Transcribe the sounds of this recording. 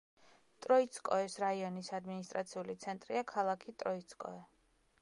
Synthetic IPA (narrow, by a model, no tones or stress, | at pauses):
t̪ʼɾɔit̪sʰkʼɔɛsɾaiɔnisad̪minist̪ʼɾat̪sʰiulit̪sʰɛnt̪ʼɾiakʰalˠakʰit̪ʼɾɔit̪sʰkʼɔ̰ɛ